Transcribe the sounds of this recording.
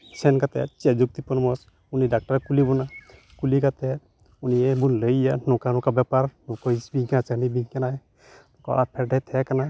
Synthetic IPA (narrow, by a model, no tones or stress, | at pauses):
sɛnkat̪ɛ̰t͡ʃɛd͡ʒuk̚t̪ipɔnmɔs | unidak̚ʈaɾɛkulibɔna | kulikat̪ɛ | uniɛbunləjanɔkanɔkabɛpaɾnɔkɔisbiŋkanat͡ʃanibiŋkana | nɔkɔ̰ʔapʰɛɾɖajt̪ʰɛkana